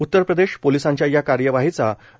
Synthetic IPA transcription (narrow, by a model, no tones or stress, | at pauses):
ut̪ːəɾpɾəd̪eɕpolisãɲt͡ɕjajakaɾjəʋaɦit͡sa